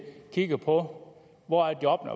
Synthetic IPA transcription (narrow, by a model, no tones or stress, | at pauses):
kʰiɡ̥ɐpʰɒ̽ | ʋɒæd̥iɒ̽b̥nɐ̰